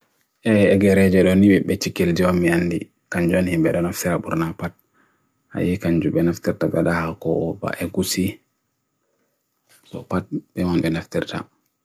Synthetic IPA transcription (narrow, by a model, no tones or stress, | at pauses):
ʔɛɛɡɛɾɛd͡ʒɛɗɔnibɛɓɛt͡ʃikːild͡ʒɛɔmːianːdḭ | kaɲd͡ʒuanhimbɛɗɔnɔftiɾabuɾnapat̚ | ʔa̰jikaɲd͡ʒuɓɛnaftiɾtaɓɛɗahakɔʔɔba̰ʔɛɡusi | sɔ̰pat̚bɛmanɓɛnaftiɾta̰